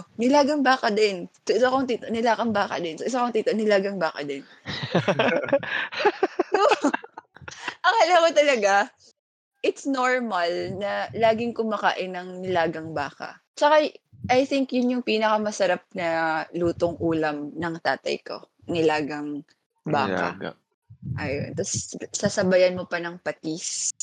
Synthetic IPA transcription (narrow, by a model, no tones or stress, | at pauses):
nɪlaːɡɐŋbaːkɐd̪ɪnsoʔɪsɐkoŋt̪iːt̪oʔnɪlaːkɐŋbaːkɐ̰d̪ɪnsoʔɪsɐkoŋt̪iːt̪onɪlaːɡɐŋbaːkɐ̰d̪ɪn | o | ʔɐŋalɐakot̪ɐlɐɡa | ʔɪt̪snoɹmɐlnɐlaːɡɪŋkʊmɐka̰ːʔɪnɐŋnɪlaːɡɐŋbaːkɐ̰ | t͡ʃɐkaʔajθɪŋkjʊnjʊŋpiːnɐkɐmɐsɐɾap̚nɐluːt̪oŋʔuːlɐmnɐŋt̪a̰ːt̪ɐ̰jko̞̰ | nɪlaːɡɐŋ | ba̰ːka̰ | ʔɐjo̰nt̪ɐsːasɐbajɐnmopɐnɐŋpɐt̪is